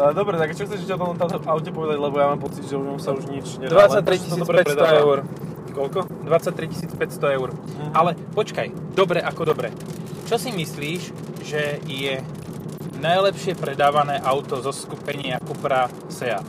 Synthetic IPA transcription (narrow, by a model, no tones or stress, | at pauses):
d̪ɔbɾɛt̪aɡt͡ʃɔxtt͡sɛʒicɛɔt̪ɔɔmt̪ɔmt̪ɔvaʊcɛpɔʋɛd̪aɟlɛbɔjamaːmpɔt͡sid̪ʒɛuʒɔmsauʒɲit͡ʃɲɛd̪ʋaat̪ːɾiisːɾɛɾɛɛʊɾ | kɔlkɔ | d̪ʋat͡sac̚t̪ɾici̥siːt͡spɛcst̪ɔɛʊɾʔalɛpɔt͡ʃkaj | d̪ɔbɾɛʔakɔd̪ɔbɾɛ̰ | t͡ʃɔsimisliːʒ | ʒɛjɛ | najlɛpʃɪɛpɾɛd̪aːʋanɛːʔaʊt̪ɔzɔskupɛɲɪakupɾa | sɛa̰